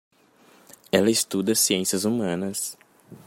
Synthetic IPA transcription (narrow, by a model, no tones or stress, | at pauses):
ɛlɐɪst̪ud̪ɐsiẽsiɐzumɐ̃nɐs